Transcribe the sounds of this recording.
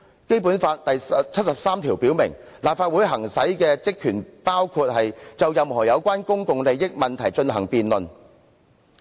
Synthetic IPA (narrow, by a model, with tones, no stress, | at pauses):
ke˥jp̬uː˨˥nfaː˧t̚t̪ɐ˨jt͡sʰt̚sɐ˨p̚saː˥mt̪ʰiː˨˩wpiː˨˥wmɪ˨˩ŋ | laː˨p̚faː˧t̚wuː˨˥jɦɐ˨˩ŋsɐ˨˥jkɛː˧t͡sɪ˥kʰːyː˨˩npaː˥wkʰu˧t̚hɐ˨jt͡sɐ˨˩wjɐ˨mhɔː˨˩jɐ˨˧wkʷwaː˥nkʊ˥ŋkʊ˨ŋle˨˧jːɪ˥k̚mɐ˨nt̪ʰɐ˨˩jt͡ʃɵ˧nɦɐ̰˨˩ŋpiː˨nlɵ˨˩n